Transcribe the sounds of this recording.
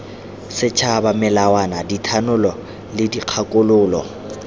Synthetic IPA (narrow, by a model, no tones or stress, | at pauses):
sɪt͡ʃʰabamɪlawanaditʰanʊlɔ | lɪdiq͡χʰakʼʊlʊːlɔ